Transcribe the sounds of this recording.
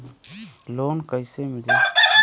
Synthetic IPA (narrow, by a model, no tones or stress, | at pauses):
loːnkəjsemɪli